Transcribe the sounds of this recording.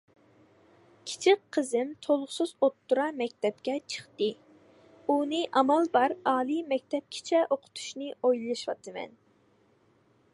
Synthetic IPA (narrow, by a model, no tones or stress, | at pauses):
kʲʰi̥t͡ʃʰik̚qʰːəzɪmt̪ʰolˠʊʁsɨzot̪ːuɾɑmɛkʲt̪ʰɛp̚kʲɛt͡ʃʰə̥χt̪ɨ | unɨʔɑmɑlˠbɑɾɑːlˠimɛk̚ʲt̪ʰɛp̚kʲʰɪ̥t͡ʃʰɛʔoqʰʊ̥t̪ʰu̥ʃnɨojlˠɨʃwɑ̰t̪ʰɨmɛ̰n